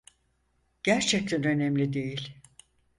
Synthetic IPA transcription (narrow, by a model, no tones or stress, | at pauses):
ɟ̥æɾt͡ʃʰɛc̚t̪ʰænø̞nɛmlʲid̪ejilʲ